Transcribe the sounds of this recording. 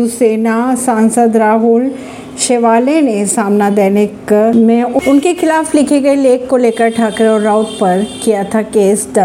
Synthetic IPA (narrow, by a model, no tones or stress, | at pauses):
useːnasãːnsəd̪ɾaːɦʊl | ʃeʋaːlẽnẽsaːmnad̪eːnɪkmẽʊʊnkexʰɪlaːflɪkʰeɡɐeleːkːoleːkəɾʈʰaːkɾeɔːɾɾaʊt̪pɐɾkijat̪ʰakeːsd̪ɐ